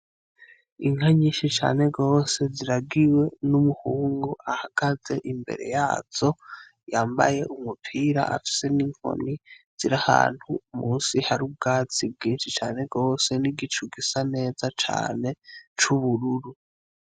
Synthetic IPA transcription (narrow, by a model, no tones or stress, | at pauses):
iŋ̥haɲiːnʃit͡ʃa̰ːne̞ɡo̞ːse̞ziɾaɡiwe̞numuhuːŋɡuʔahaɡ̥aze̞̰ʔimbe̞̰ɾe̞̰jaːz̥o̞ | jaːmba̰je̞ʔumupʰiːɾa̰ʔa̰fi̥se̞niŋ̥o̰niz̥iɾaha̰ːn̥humuːnsihaɾub̚ɡaːt͡sib̚ɡiːnʃit͡ʃaːne̞ɡo̞ːse̞niɡit͡ʃuɡisane̞ːzat͡ʃa̰ːne̞t͡ʃuβuɾuɾu